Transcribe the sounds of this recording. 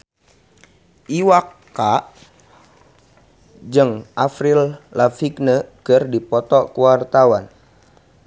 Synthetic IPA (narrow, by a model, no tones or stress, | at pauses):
ʔiwakː | a | d͡ʒəŋʔafɾillafiknəkərdipɔt̪ɔkəwart̪awan